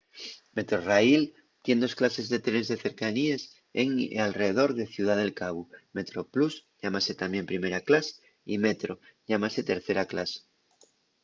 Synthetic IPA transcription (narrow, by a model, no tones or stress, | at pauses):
met̪ɾorail | t̪je̞nd̪o̞sklase̞zðe̞t̪ɾenzðeθe̞ɾkanies | ḛŋ̰alreðeðo̞ɾðeθjuð̞aðe̞lkaβume̞t̪ɾoplusʎamaset̪ambje̞mpɾime̞ɾaklase̥ | imet̪ɾoʎamase̞t̪eɾθe̞ɾaklase̥